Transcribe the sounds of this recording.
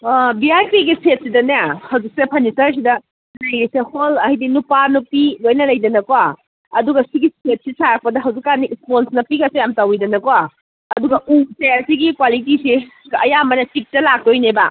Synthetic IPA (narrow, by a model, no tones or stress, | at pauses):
biajpiɡiset̚sidɐniahɐwd͡ʒik̚sepʰɐnisɐɾs̬idɐ | lɐjɾiseholɐhɐjdinupanupilojnɐlɐjdɐnɐkowa | ɐduɡɐsiɡiset̚sisaɾak̚pɐdɐɦɐwzikːanisponsnɐpiɡɐsejamtawidɐnɐkowa | ɐduɡɐʔuseɐsiɡikwalitiseɐjamɐnɐtik̚tɐlak̚tojneba